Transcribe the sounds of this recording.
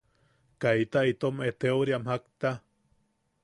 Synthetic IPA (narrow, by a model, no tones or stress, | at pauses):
kait̪ait̪omet̪ewɾiamhakt̪a